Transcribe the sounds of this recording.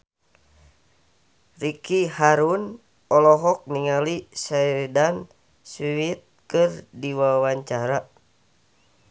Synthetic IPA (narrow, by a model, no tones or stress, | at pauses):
rikihaɾun | ɔlɔɦɔk̚niŋalisadan | siwit̪̚kɨrdiwawaɲt͡ʃaɾa